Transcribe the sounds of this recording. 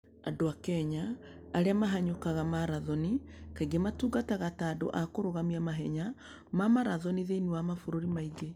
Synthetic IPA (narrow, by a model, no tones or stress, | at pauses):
adoakɛɲaː | ɾeamaɦaɲokaɣamaɾaðɔnikaiɡematuːɡataɣataːdo̰ʔakoɾoɣamiamaɦɛɲa | mamaɾaðɔniðeiniwamafoɾoɾimaiɡe